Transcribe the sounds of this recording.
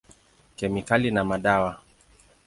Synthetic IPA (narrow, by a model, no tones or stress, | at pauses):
kɛmikalinamaɗawa